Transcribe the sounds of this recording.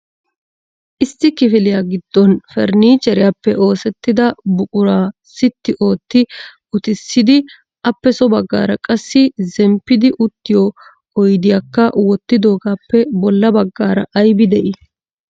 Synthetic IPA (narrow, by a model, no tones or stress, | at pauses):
ʔɪsːɪkɪfɪlɪjaːɡɪd̪̥ːɔnfɛɾniːt͡ʃɛɾɪjapːɛʔo̞ːsɛt̪ːɪd̪ɐbʊkʼʊɾaː | sɪt̪ːɪʔo̞ːt̪ːɪʔʊt̪ɪsːɪd̪ɪ | ʔɐpːɛsɔbɐɡːa̰ːɾɐkʼɐsːɪzɛmpːɪd̪ɪʔʊt̪ːɪjɔ | ɔjd̪ɪjakːɐwɔt̪ːɪd̪o̞ːɡaːpːɛbɔlːɐbɐɡːaːɾɐʔɐjbɪd̪ɛʔɪ